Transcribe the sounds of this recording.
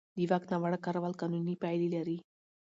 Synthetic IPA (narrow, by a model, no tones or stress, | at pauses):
d̪iʋaknaʋaɽəkːaɾʋalkanunːipajlilaɾi